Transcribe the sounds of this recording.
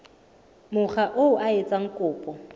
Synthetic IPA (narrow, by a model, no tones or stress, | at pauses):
mʊχaʔoʊʔaet͡sʼaŋ̩kʼʊːpʼɔ